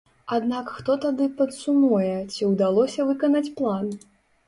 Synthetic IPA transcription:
ad̪nakxt̪ɔt̪ad̪ɨpɐt̪sumujɛt͡sʲiwd̪alˠɔsʲɐvɨkɐnat͡sʲplˠan

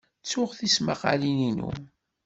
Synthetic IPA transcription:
t͡sːʊʁθismaqa̰lininṵ

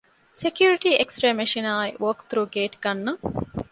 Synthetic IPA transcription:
sekjuːɾiʈiʔeksʈɾemeʃinaːiʋoːkt̪ɾuɡeːʈɡɐnːɐ

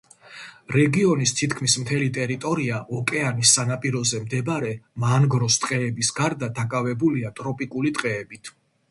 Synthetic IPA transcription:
ɾɛɡiɔnist̪ʰit̪ʰkʰmismt̪ʰɛlit̪ʼɛɾit̪ʼɔɾiaʔɔkʼɛanisːanapʼiɾɔzɛmd̪ɛbaɾɛmanɡɾɔst̪ʼqʼɛːbisɡaɾd̪ad̪akʼavɛbuliat̪ʼɾɔpʼikʼulit̪ʼqʼɛːbit̪ʰ

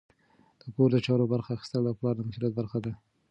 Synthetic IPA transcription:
d̪̥əpoɾd̪ət͡ʃɑɾobaɾxaːxi̥st̪əld̪aplɑɾd̪əmasulat̪̚baɾxad̪a

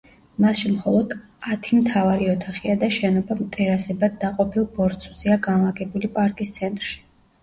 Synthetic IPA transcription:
masʃimχɔlˠɔd̪ | at̪ʰimt̪ʰavaɾiɔt̪ʰaχiad̪aʃɛnɔbamt̪ʼɛɾasɛbad̪̚aqʼɔpʰilˠbɔɾt̪sʰʼuziaɡanlˠaɡɛbulipʼaɾkʼist̪sʰɛnt̪ʼɾʃi̥

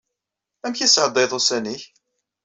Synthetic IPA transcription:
æmçæsʕəd̪ˤejðˤosæniç

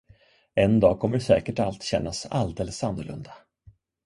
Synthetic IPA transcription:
ɛnd̪ɑːɡkʰɔmːəɖsɛːkəʈalt̪ɕɛnːasa̰ld̪eːləsanːʊɭɵ̰nd̪a

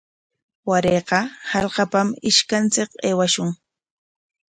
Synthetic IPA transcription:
waɾeːqɑhɑʎqɑpamɪʃkant͡sɪkeːwaʃʊŋ

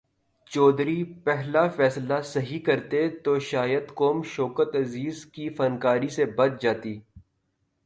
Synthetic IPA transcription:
t͡ʃɔːd̪ɾipɛɦlafɛːslasɐɦikɐɾt̪et̪oːʃaːjəd̪koːmʃɔːkət̪ɐziːzkifɐnkaːɾisebɐt͡ʃ̪d͡ʒaːt̪iː

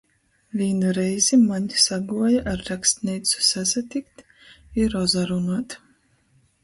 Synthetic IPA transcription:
vʲiɛnuɾɛjz̥imaɲʲsaɡuɔjaʔaɾːakst̪nʲijt̪su̥sæzat̪ikt̪ | iɾɔzaɾunaɔt̪

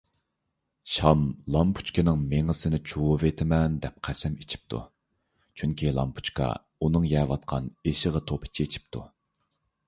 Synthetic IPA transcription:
ʃɑmlˠɑmpʰu̥t͡ʃkʲɪnɨŋmeŋəsɪnɪt͡ʃʰuwvet̪ʰɪmɛnd̪ɛp̚qʰæsɛmit͡ʃʰi̥p̚t̪ʰṵ | t͡ʃʰyŋkʲilˠɑ̰mpʰu̥t͡ʃkʰɑ̰ | unɨŋjɛːvɑt̪̚qʰɑneʃəʁət̪ʰopʰɪ̥t͡ʃʰiet͡ʃʰi̥p̚t̪ʰṵ

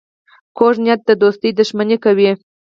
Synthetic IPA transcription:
koʒnʲjat̪̚d̪əd̪ost̪əjd̪əʒmanʲekawi

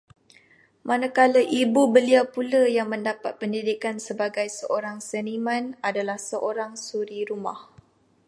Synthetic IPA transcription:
mʔanakaləʔibubəliawpuləjaŋmə̃ndapat̪̚pəndidikansəbaɡajsəʔoɾaŋsənimãnadalahsəʔoɾaŋsuɾiɾuma̰h

